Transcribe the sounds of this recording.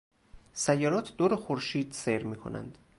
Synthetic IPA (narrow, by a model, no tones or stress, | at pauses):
sæjːɒːɾɒːt̪ʰd̪oːɾexoɾʃiːd̪seɾmiːkʰo̰næ̰nd̪̥